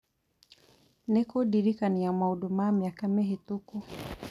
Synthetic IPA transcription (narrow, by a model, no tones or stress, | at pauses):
nɛkɔɗiɾikanijamauɗumamiakamɛɦɛtuku